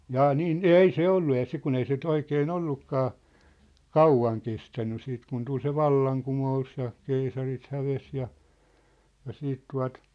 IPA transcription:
jɑː niːn ei se olːu jɑ sik kun ei se ny̆t oikeːn olːukːɑː kɑuʋɑŋ kestænːy siːt kun tul se ʋɑlːɑŋkumous jɑ keisɑrit hæʋes jɑ jɑ siːt tuɑ̝t

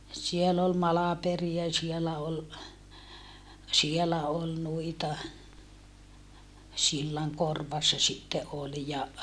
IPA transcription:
siel ol mɑlɑperiɑ sielæ ol sielæ ol nuitɑ silːɑŋkorʋɑsːɑ sitːe ʔol jɑ

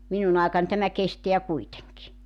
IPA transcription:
minun ɑˑekɑn tæmæ kesteæ kuiteŋki

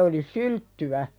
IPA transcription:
oli syltːywæ

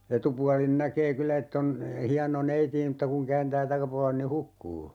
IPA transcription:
etupuɑlin nækeː kylːæ etː on hiɑno neiti e m̩tːɑ kuŋ kæːntæː tɑkɑpuɑlen ni hukːuː

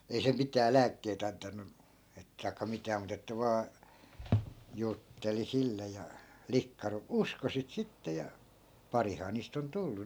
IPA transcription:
ei se mitæː læːkːeit ɑntɑnːu et tɑi̯kːɑ mitæː mut etːæ ʋɑː jutːeli silːe jɑ likːɑ ru usko sit sitːe jɑ pɑrihɑː niːst on tulːu

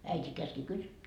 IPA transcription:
æitʲi kæski kysy

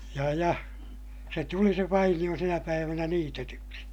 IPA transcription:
jɑ jɑ se tuli se ʋɑinij̆o sinæ pæiʋænæ niːtetyksi

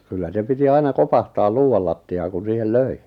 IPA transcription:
kylːæ se piti ɑinɑ kopɑhtɑːl luːw̆ɑl lɑtːiɑːŋ̆ kun̞ siːhel løi

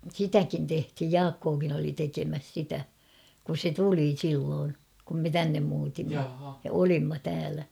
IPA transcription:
sitækin tehthij jɑːkːoːkin oli tekemæs sitæ kus se tuli silːoːn kum me tænːem muːtimːɑ jɑ olimːɑ tæːlæ

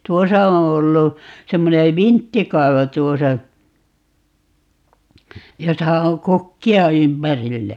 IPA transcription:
tuosɑ õː olːu semːone ʋintːikɑi̯ʋo tuosɑ josɑ oŋ kukːiɑ ympærilːæ

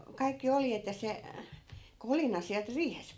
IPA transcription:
kɑikːi oljet jɑ se kolinɑ siælt riːhesp

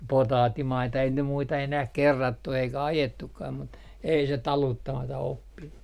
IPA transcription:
potɑːtːimɑitɑ ei ne muitɑ enæh kerːɑtːu eikæ ɑjetukːɑːm mut ei se tɑlutːɑmɑtɑ opːinːu

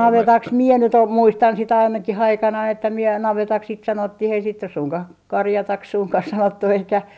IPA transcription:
nɑʋetɑks miɛ nyt om muistɑn sit ɑinɑkih ɑikɑnɑi etːæ miɛ nɑʋetɑks sit sɑnotːih ei sit nys suŋkɑh kɑrjɑtɑks suŋkɑh sɑnotːu eikæ

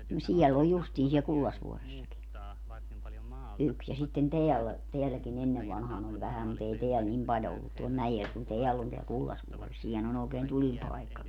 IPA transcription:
no siɛl oj justiː siɛl kulːɑsʋuoresːɑki yks jɑ sitːen teælːæ teælːækin enːeʋ ʋɑnhɑːn olʲ ʋæhæm mut ei teæl nim pɑljo olːut tuol mæjel kun teælː on teæl kulːɑsʋuores siːnhæn on oːkeːn tulipɑekːɑki

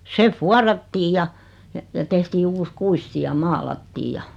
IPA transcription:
se fuɑrɑtːiːj jɑ jɑ jɑ tehtiː uːs kuisti jɑ mɑːlɑtːiːj jɑ

